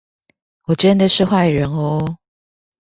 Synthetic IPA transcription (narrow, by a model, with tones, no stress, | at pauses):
wɔ˨˩t͡ɕə˦˥nd̪ə˨ʂɻ̩˥˧xwa˥˩ɪɻə˨˦nɔ˧˦